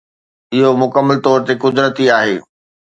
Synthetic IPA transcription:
ɪɦomʊkəmːəlt̪ɔːɾt̪ekʊd̪ɾət̪iaːɦeː

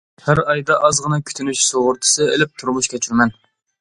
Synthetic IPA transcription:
hæɾɑjd̪ɑʔɑzʁənɨkʲʰy̥t̪ʰynyʃsoʁʊɾt̪ʰɨ̥sɨelɪp̚t̪ʰuɾmuʃkʲʰɛt͡ʃʰyɾmɛn

